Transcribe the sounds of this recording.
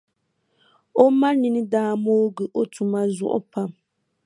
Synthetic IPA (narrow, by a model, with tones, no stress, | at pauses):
o˦ma˦ni˨nɨ˦daː˦mo˦ɡɨ˨ʔo˦tu˨ma˦zʊ̰˦˨ʔʊ̰˦pa˦m